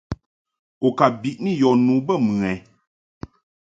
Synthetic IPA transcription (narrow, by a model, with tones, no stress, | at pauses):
o˨ka˨bi˨ʔni˦˨jɔ˨nu˨bə˦˨mʉɨ˨ɛ˨˦